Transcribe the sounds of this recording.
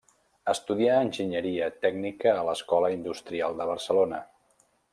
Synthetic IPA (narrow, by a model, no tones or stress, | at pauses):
əst̪uðiaːnʲʒiɲəɾiət̪ɛɡnikəːləskɔləind̪ust̪ɾialˠd̪əβ̞ərsəlonə